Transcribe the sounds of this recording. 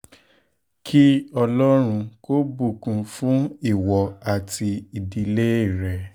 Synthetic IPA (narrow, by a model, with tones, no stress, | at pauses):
kʰi˦ɔ˧lɔ˦ɾ̃ũ˧ko˦bu˦˨kũ˨fũ˨˦i˦˨wɔ˨˧a˨tʰi˧i˨di˧le˦i˦˨ɾɛ˨